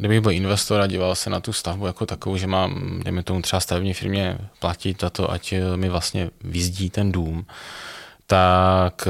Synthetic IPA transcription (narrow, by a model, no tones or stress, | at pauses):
ɡdɪbɪɣbɪlɪnvɛst̪oɾaɟiːvalsɛnat̪ust̪avbujakot̪akovowʒɛmaːmdɛjmɛt̪omut̪r̥ɛbast̪avɛbɲiːfɪɾmɲɛplacɪt̪zat̪oʔa̰cmɪvlast̪ɲɛvɪzɟiːt̪ɛnduːm | t̪ak